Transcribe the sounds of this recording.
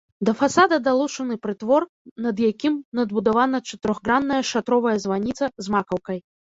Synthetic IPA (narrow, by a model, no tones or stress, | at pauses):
d̪ɐfasad̪ɐd̪alˠut͡ʂɐnɨpɾɨt̪vɔr | nɐd̪jakʲimnɐd̪̚bud̪avanɐt͡ʂɐt̪ɨɾɔɣɡɾanːɐjɐʂat̪ɾɔvɐjɐzvanʲit̪sɐzmakɐwkɐj